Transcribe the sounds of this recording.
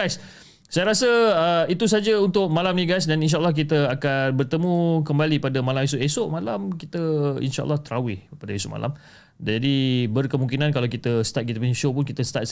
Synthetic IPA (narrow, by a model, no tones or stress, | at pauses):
ajs | sajaɾasəəit̪us̬ad͡ʒəunt̪ʊʔ̚malamnĩɡajs̬daninʃ̬aəlːɑhk̬it̪əakanbərt̪əmũkəmbalipadamalames̬ʊʔesoʔmalamkit̪əḭnʃa̰ʔə̰lːɑht̪əɾawɪhpadaesoʔma̰lʔa̰m | d͡ʒadibərkəmũŋkinãnkalawkit̪əsə̥t̪at̪̚kit̪əpəiʃopʊnkit̪əsə̥t̪at̪̚